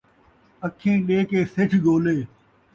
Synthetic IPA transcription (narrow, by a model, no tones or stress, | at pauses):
əkʰẽːɗeːkeːsɪʈʰɡoːleː